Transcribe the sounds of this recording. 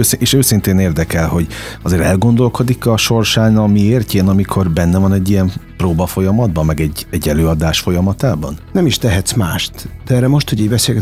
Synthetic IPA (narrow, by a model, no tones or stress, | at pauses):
øseːʃøːsint̪eːneːrd̪ɛkɛlho̞ɟɒzeːɾɛlɡo̞nd̪o̞lko̞d̪ikɒʃo̞rʃaːnɒmieːrceːnɒmikʰo̞rbɛnːɛvɒnɛɟːijɛmproːbɒfo̞jɒmɒd̪̚bɒmːɛɡɛɟːɛɟːɛløːɒd̪aːʃfo̞jɒmɒt̪aːbɒ̰nnɛmiʃt̪ɛɦɛt̪smaːʃt̪d̪̥ɛɛːɾːɛmo̞ʃt̪hoɟiːɟbɛseːlɡɛt